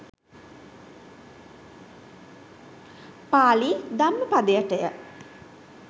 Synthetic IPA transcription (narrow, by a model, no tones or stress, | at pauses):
paːlid̪amːəpad̪əjəʈəjə